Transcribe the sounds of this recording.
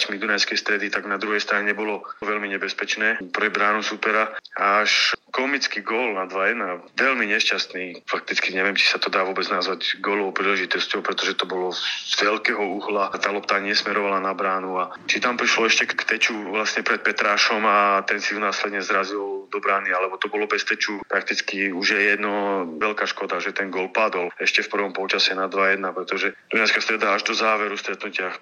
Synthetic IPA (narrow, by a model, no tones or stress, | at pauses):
cmid̪unajskɛjst̪ɾɛd̪it̪aɡnad̪ɾuɦɛjst̪ɾaɲɛɲɛbɔlɔʋɛlmiɲɛbɛspɛt͡ʃnɛːpɾɛbɾaːnusupɛɾaaːʃkɔmit͡skiɡɔːlnad̪ʋajɛd̪naʋɛlmiɲɛʃcast̪niːfak̚t̪it͡skiɲɛʋɪɛmt͡ʃi̥sat̪ɔd̪aːʋʊɔbɛd͡znazʋaɟɡɔːlɔʊpɾiːlɛʒit̪ɔscɔʊpɾɛt̪ɔʒɛt̪ɔbɔlɔzʋɛlkɛːɦɔuɦlat̪aːlɔpt̪aːɲɪɛsmɛɾɔʋalanabɾaːnua | t͡ʃit̪ampɾiʃlɔɛʃcɛkkt̪ɛt͡ʃuʋlasɲɛpɾɛt̪̚pɛt̪ɾaːʃɔmat̪ɛnsiunaːslɛd̪ɲɛzɾazild̪ɔbɾaːnialɛbɔt̪ɔbɔlɔbɛst̪ɛt͡ʃupɾak̚t̪it͡skiuʒjɛjɛd̪nɔʋɛlkaːʃkɔd̪aʒɛt̪ɛnɡɔlpad̪ɔlɛʃcɛfpr̩ʋɔmpɔlt͡ʃasɛnad̪ʋajɛd̪napɾɛt̪ɔʒɛd̪unaskast̪ɾɛd̪aːʒd̪ɔzaːʋɛɾust̪ɾɛt̪nucɪax